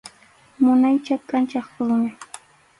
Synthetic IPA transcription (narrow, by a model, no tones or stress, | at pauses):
mʊnajt͡ʃakːant͡ʃɑχkʊlʊɲa